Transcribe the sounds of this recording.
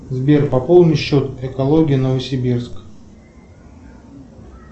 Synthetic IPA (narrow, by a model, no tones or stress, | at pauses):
zbʲerpɐpolˠd̪nʲɨjɕːot̪ɛkɐlˠo̞ɡʲɪjənəvəsʲɪbʲirsk